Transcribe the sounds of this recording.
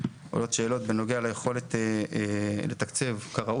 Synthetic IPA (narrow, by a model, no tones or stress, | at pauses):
ʔo̰lo̞tʃe̞ːlo̞t̪beno̞ɡealajeχo̞le̞t̪ː | let̪akt͡se̞vkaʁa